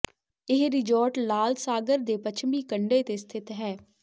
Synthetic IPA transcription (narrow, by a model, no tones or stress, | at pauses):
ɪɦɾɪd͡ʒɔːʈlaːlsaːɡəɾd̪eːpət͡ʃʰmiːkəɳɖeːt̪eːst̪ʰɪt̪ɦɛː